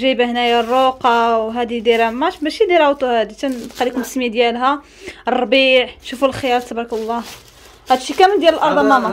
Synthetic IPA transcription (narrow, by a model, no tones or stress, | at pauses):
ʒæjbæhnæjarˤːoqɑwɦæd̪id̪iɾæmæbæʃid̪iɾæwt̪uhæd̪it̪ænqɑlikmsəmæd̪jælɦæ | ərˤːɑbiʕʃufulxəjæɾt̪ɑbɾˤɑkɑlˤːɑ | hæd̪ʃikæmənd̪jæləlʔɑɾˤd̪ˤmæmɑ